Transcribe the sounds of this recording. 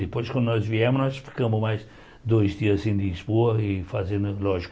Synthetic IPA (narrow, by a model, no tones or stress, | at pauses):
d̪ɨpojʃkwɐ̃nd̪unɔzviɛmʊʒnɔʃfi̥kɐmʊzmajz | d̪ojzd̪iɐzɐsĩd̪lizboɐifɐzẽnd̪ʊlɔʒik